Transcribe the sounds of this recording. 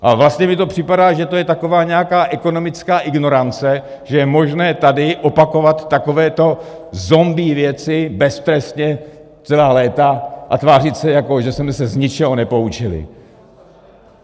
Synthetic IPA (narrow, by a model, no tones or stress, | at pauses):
ʔavlast̪ɲɛmɪt̪o̞pr̥ɪpadaːʒɛt̪o̞jɛt̪ako̞vaːɲɛjakaːʔɛko̞no̞mɪt͡skaːʔɪɡno̞ɾant͡sɛ | ʒ̥ɛjɛmo̞ʒnɛːt̪adɪʔopako̞vat̪ːako̞vɛːt̪o̞ | zo̞mbiːvjɛt͡sɪbɛst̪ɾɛst̪ɲɛ | t͡sɛlaːlɛːt̪aʔat̪vaːr̝ɪt̪sɛjako̞ʒɛsmɛsɛzɲɪt͡ʃɛɦonɛpout͡ʃɪlɪ̰